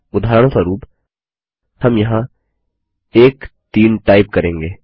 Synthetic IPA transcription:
ʊd̪ʱaːɾəɽ̃saɾuːp | hɐmjɐɦã | eːkt̪iːnʈaːɪp̚kɐɾẽːŋɡeː

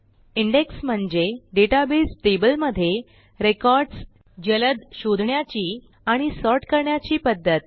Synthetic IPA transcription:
iɳɖeksm̤əɳd͡ʑeɖeʈabesʈebəlməd̪ʱːje | ɾekɔɾɖs | d͡ʑələd̪ɕod̪ʱɳjat͡ɕiː | aɽ̃isɔɾʈkəɾɳjat͡ɕiːpəd̪ʱːət̪

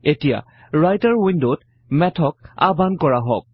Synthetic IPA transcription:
etija̰ | ɹajtaɹwindot | mɛtʰɔk̚a̰bankɔɹaɦɔk̚

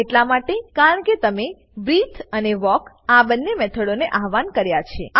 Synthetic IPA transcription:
eʈlamaʈekaɾəɳket̪əme | bɾit̪ʰəneʋɔk | abənːemɛt̪ʰəɽoneʔaɦʋankəɾjat͡ʃʰḛ

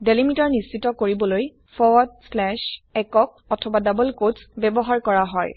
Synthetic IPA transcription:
delimitɔɹnistitɔkoɹibɔloj | fʰɔwɔd̚slɛʃɛkɔk̚ | ɔtʰɔbadabəlkodsbɛbɔɦaɹkɔɹaɦɔj

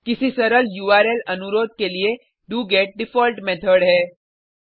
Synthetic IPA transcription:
kɪsisɐɾəljuːaːɾelɐnʊɾoːd̪̚kelie | ɖuːɡeːʈ̚ɖɪfɔːlʈmɛːt̪ʰəɽɦɛː

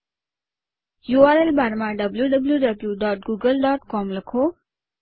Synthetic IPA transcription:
juaɾelbʱaɾmaɖɐbljuɖəbljuɖəbljuɖɔːʈ̚ɡuːɡəlɖɔːʈkɔmləkʰo

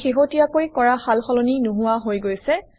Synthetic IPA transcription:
xiɦotijakojkɔɹaxalxɔloninuɦũwaɦojɡojsɛ

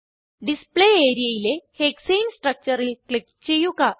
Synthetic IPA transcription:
ɖispleeɾieileheksemsʈɾək̚t͡ɕəɾelklip̚t͡ɕejuka

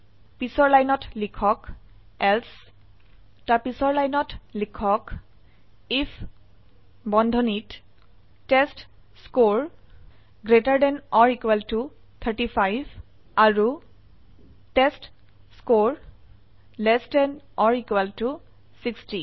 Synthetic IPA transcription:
pisɔɹlajnɔtlikʰɔk | ɛls | taɹpisɔɹlajnɔtlikʰɔk | ipʰ | bɔndʱɔnit | tɛst | skoɹ | ɡɹetaɹdɛnɔɹikwɛltu | t̪ʰaɹtipʰajbʱ | aɹu | tɛst | skoɹ | lɛsdɛn | ɔɹikwɛltu | siksti

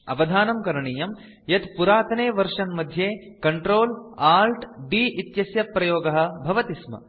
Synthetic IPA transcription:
ɐ̰ʋɐd̪ʱaːnɐmkɐɾɐɳiːjɐm | jɐt̪puɾaːt̪ɐneːʋɐɾʂɐnmɐd̪ʱjeː | kɐɳʈɾoːlaːlʈɖiːʔit̪jɐsjɐpɾɐjoːɡɐɦɐ̆bʱɐʋɐt̪ismɐ̰

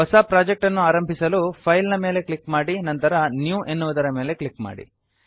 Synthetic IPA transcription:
ɐsaːpɾaːd͡ʒek̚ʈɐnːuaːɾɐmbʱisɐlupʰɐjlnɐmeːle̞klikmaːɽinɐnt̪ɐɾɐnjuːʔe̞nːuʋɐd̪ɐɾɐme̞ːle̞kɭikma̰ːɽḭ

